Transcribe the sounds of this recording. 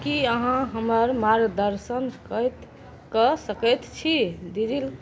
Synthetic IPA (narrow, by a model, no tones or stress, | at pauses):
kiəɦãɦəməɾmaɾɡd̪əɾsənkət̪ | kəsəkət̪t͡ʃʰid̪id͡ʒil